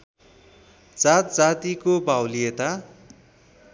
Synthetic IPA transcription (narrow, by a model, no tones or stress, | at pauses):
d͡zat̪̚d͡zat̪ikobawlijet̪a